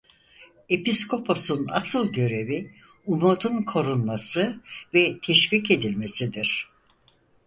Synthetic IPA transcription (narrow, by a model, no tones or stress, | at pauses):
e̞piskʰo̞pʰo̞suna̰sɯlˠɟø̞ɾe̞vi | umot̪unkʰo̞ɾunmasɯvɛt̪ʰɛʃvice̞d̪ilʲme̞sid̪iɾ̥